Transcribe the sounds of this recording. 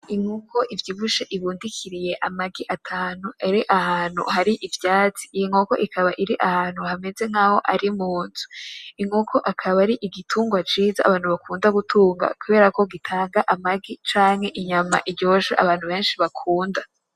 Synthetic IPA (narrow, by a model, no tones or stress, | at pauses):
iŋukʰo̞ʔivjiβuʃeʔiβuːndikʰiɾije̞ʔamaɡiʔatʰaːnuaɾiʔahaːn̥hṵhaɾiʔivjaːt͡si̥ːjiŋoko̞̰ʔikaβaʔiɾiʔahaːnhuhame̞ze̞ŋ̥aho̞ʔaɾimuːnzu̥iŋukʰo̞ʔakʰaβaɾiʔiɡitʰuːŋɡwat͡ʃiːza̰aβaːn̥huβakuːndaɡutʰuːŋɡa̰kuβe̞ːɾakoɡitʰaːŋɡaʔamaɡit͡ʃaːŋhe̞ʔiɲama̰ʔiɾɟo̞ːʃaʔa̰βaːnhuβe̞ːnʃiβakʰuːnda